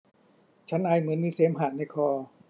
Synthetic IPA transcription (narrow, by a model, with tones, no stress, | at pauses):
t͡ɕʰa˦˥nʔaː˧jmɯ˨˩˦ənmiː˧˩seː˦˥mɦaː˨˩t̪̚na˧jkʰɔː˧˩